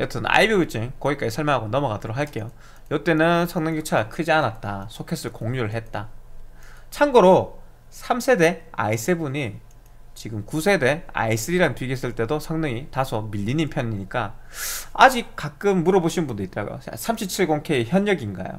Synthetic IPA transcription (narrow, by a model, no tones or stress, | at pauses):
jʌt͈ɯna̰ibjiɡit͡ɕ͈ʰiŋkʌɡik͈ad͡ʑisʰʌɭmjeŋɦaɡonʌmʌɡatɯɾʌkʰhaɭk͈e̞jo | jʌt͈e̞nɯnsʰʌŋnɯŋit͡ɕʰakʰɯd͡ʑianat̚t͈asʰokʰes͈ɯɭkoŋɲuɾɯɭɦe̞t̚t͈a̰ | t͡ɕʰaŋɡʌɾo | sʰamsʰe̞de̞a̰is͈ebuɲi | t͡ɕiɡɯmkusʰe̞de̞a̰is͈ɯɾiɾaŋtɥiɡes͈ɯɭt͈e̞dosʰʌŋnɯŋitasʰʌmiʎːiɲinpʰjʌɲiɲik͈a | a̰d͡ʑik̚k͈ak̚k͈ɯmːuɾʌboɕʰinɯnbundɯit͈ʌɾa̰ɡo̰jo̰sʰamɕʰip̚t͡ɕʰiɭɡoŋkʰe̞içjʌɲjʌɡinɡa̰jo̰